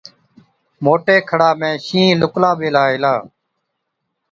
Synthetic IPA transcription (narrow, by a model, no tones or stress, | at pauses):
moːʈeːkʰəɽaːmẽːʃĩːlʊklaːɓeːlaːɪlaː